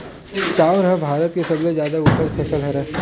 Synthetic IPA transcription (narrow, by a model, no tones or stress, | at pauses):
t͡ʃaːʋɾɦəbʱaːɾət̪kesɐblezjaːd̪aʊpəd̪pʰɐsəlɦɛɾɛː